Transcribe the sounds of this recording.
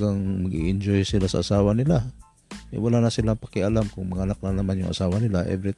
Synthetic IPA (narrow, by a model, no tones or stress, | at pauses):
ɡaŋmɐɡʔiʔɪɲd͡ʒojsɪlasɐ̰ʔasaːwanɪla | ʔɛ̰walanɐsɪlaŋpɐkɪʔalamkʊŋmɐŋanak̚nanɐmanjʊŋʔa̰saːwanɪlaʔɛ̰vɾɪt̪